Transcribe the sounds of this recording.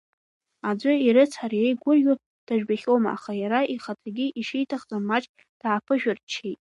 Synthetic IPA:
ad͡zʷʊiɾɨt͡sʰħarjejɡʷʊrju | d̥aʒᶣbaχʲomaa̰χajaɾaʔiχatʰaɡʲiʔiʃijtʰaχt͡sʼamːat͡ʃʼ | d̥aːpʰɨʒᶣʊrt͡ʃʰejtʼ

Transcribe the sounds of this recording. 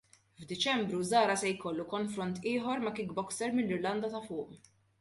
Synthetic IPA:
vd̪ɪt͡ʃɛmbɾuzɐːɾɐsɛjkɔlːukɔnfɾɔnt̪ɪːħɔɾmɐkiːk̚bɔksɛɾmɪlːɪɾlɐnd̪ɐt̪ɐfʊːʔ

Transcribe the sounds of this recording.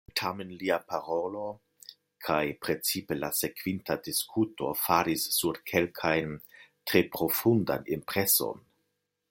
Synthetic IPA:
tʰamenliapaɾo̞lo̞ | kʰajpɾe̞t͡sipe̞lase̞kv̥intadiskʰuto̞̰faɾisːuɾkʰe̞lkʰajntɾe̞pɾo̞funda̰nimpɾe̞so̞̰n

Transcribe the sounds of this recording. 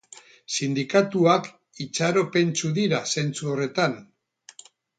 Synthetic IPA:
sind̪ikat̪uak | it͡saɾo̞pe̞nt͡suðiɾase̞nt͡suore̞t̪an

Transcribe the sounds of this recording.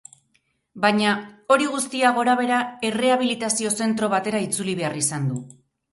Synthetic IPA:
baɲao̞ɾiɣ̞ust̪iaɣ̞o̞ɾaβ̞e̞ɾae̞re̞aβ̞ilit̪asio̞se̞nt̪ɾo̞β̞at̪e̞ɾait͡suliβ̞e̞arisand̪u

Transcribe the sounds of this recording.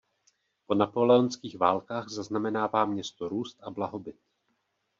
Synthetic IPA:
po̞napo̞lɛonskiːxvaːlkaːɣzaznamɛnaːvaːmɲɛst̪oɾuːst̪ʔablaɦo̞bɪt̪̚

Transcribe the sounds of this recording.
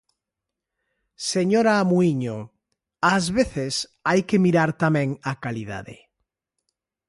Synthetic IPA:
seɲoɾaːmuiɲo | azβeθesajkemiɾaɾt̪amẽŋakaliða̰ðḛ

